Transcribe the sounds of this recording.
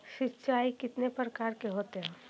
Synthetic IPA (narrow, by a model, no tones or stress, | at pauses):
ʃɪtːʃaːikɪt̪nepɾəkaːɾkeɦoːt̪eɦɛ̃ː